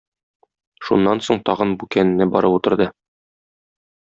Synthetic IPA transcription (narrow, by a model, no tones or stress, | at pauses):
ʃunːɑnsoɴt̪ɒʁɤnbukænɘ̆nːɘbɒ̰ɾɤput̪ɤ̆ɾd̪ɤ